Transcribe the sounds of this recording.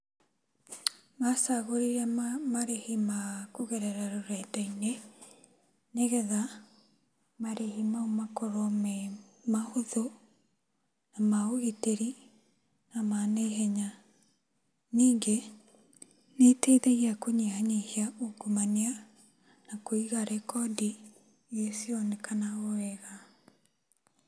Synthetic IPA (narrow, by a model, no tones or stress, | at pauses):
masaɣoɾiɾamaɾehimakoɣeɾɛɾaɾoɾɛtaine | neɣɛða | maɾehimaomakoɾomɛ | mahoðo | namaoɣiteɾi | namaneɦɛɲa | niːŋɡe | neteðeɣiakoɲeaɲehiaoɡomanea | nakoiɣaɾʔɛkɔdi | esiɔnekanaoɛɣa